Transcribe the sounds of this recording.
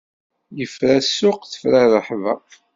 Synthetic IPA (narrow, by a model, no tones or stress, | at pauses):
jəfɾæsːʊqθə̥fɾarəħvæ̰